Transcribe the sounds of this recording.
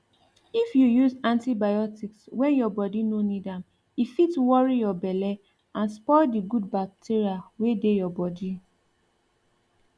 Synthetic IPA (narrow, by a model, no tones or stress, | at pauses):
ifjujuzãntibajɔtikswɛ̃njɔbɔdinonidam | ifitwɔɹijɔbɛlɛ | ãnspɔɪdiɡud̚bak̚tʰiɹiawedejɔbɔdi